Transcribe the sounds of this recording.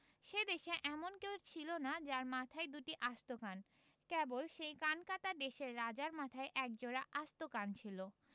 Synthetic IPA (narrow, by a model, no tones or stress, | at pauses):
ʃed̪eʃeʔɛmonkewt͡ɕʰilonad͡ʑaɾmat̪ʰaed̪uʈiʔast̪okan | kebolʃejkankat̪ad̪eʃeɾːad͡ʑaɾmat̪ʰaeʔɛk̚d͡ʑoɾaʔast̪okant͡ɕʰilo